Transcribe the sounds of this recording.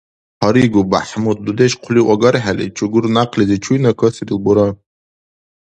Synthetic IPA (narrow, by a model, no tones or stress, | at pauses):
ħaɾiɡuba̰ħmut̪̚dudeʃqʷʰliwʔaɡarħalit͡ʃʰuɡʊrnaqʰlizit͡ʃʰujnakʷʰasiɾilbuɾa